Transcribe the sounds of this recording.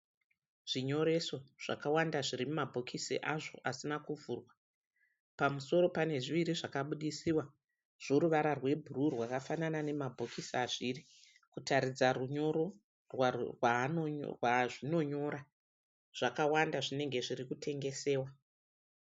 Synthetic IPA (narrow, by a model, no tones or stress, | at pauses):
ʐ̥iɲo̞ɾe̞so̞ʐ̥a̰kawandaʐiɾimumabʱokʰisḭʔaʐo̞̰ʔasinakuvuːrwa | pamuso̞ɾo̞pane̞ʐiʋiɾiʐakaɓuɗisiwa | ʐ̥o̞ɾuʋaɾarwe̞bʱururwakafananane̞mabʱokisaʐiːri | kutʰaɾid͡zaruɲo̞ɾo̞ | rwarwa̰rwaʐino̞ɲo̞ːɾa | ʐ̥akawandaʐine̞ŋɡe̞ʐirikutʰe̞ŋɡe̞se̞ːwa